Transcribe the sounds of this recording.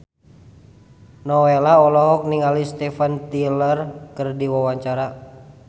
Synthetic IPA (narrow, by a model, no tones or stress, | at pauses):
nɔwelaɔlɔɦɔk̚niŋalist̪ɛfant̪ilərkɨrdiwawaɲt͡ʃaɾa